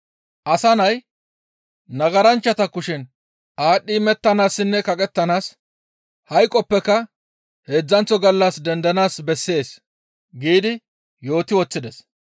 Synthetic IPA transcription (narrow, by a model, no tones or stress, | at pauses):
ʔɐsɐnɐj | nɐɡɐɾɐnt͡ʃːɐt̪ɐkːʊʃɪn | ʔaːɗːiːmɛt̪ːɐnaːsːɪnːɛkɐkʼɛt̪ːɐnaːs | hɐjkʼːɔpːɛkːɐ | he̞ːd͡zːɐnt͡sːɔɡɐlːɐsd̪ɛnd̪ɐnaːsbɛsːe̞ːs | ɡiːd̪ɪ | jo̞ːt̪ɪwɔt͡sːɪd̪ɛs